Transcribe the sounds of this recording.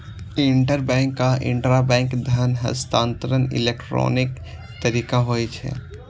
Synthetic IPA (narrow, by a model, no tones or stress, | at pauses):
ɪ̃ɳʈəɾbɛ̃ːŋkːaɪ̰̃ɳʈɾabɛ̃ːŋkd̪ʱənɦə̰st̪ãːnt̪əɾənɪ̰lekʈɾo̰ːnɪk | t̪əɾiːkaɦoːit͡ʃʰɛ̰ː